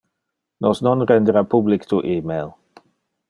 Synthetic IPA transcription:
nɔsnɔnɾɛnd̪ɾapublikt̪uʔimel

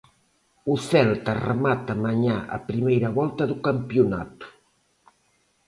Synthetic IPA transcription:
uθɛlt̪ɐrḛmat̪ɐmaɲaʔɐ̰pɾimejɾɐβɔlt̪ɐðukampjuna̰t̪u̥

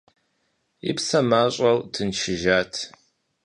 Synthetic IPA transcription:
ɪ̰psɐmaːɕʼɐwtʰɨnʃɪʒaːtʰ

